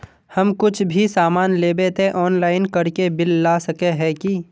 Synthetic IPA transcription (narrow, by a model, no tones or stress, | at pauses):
hɐmkʊt͡ʃʰbʱisaːmaːnleːbet̪eʔɔːnlaːɪnkɐɽkebɪlːaːsɐkeɦɛ̃ki